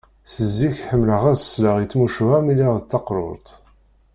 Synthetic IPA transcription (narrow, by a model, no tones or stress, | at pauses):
səzːiçħəmːləʁæsəsləʁit͡sːmuʃvæmiliʁðət̪ːɑqɾˤʊ̰ɾˤt̪ˤ